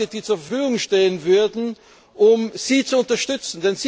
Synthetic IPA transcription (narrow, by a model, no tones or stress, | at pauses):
ədiːt͡suːɐfɐfyːɡʊŋʃteːənvʏɐdn̩ | ʔʊmz̥iːt͡suʊntɐʃtʏt͡sn̩dɛnz̥i